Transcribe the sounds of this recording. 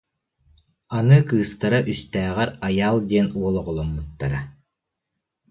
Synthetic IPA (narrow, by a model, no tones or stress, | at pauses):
anɯkɯːst̪aɾaʔyst̪æːʁɛɾajaːlˠd̪iɛnuɔlˠɔʁɔlˠɔmːut̪ːaɾa